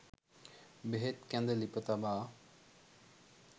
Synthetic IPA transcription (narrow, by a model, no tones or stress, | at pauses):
beɦet̪kæ̃nd̪əlipət̪abaː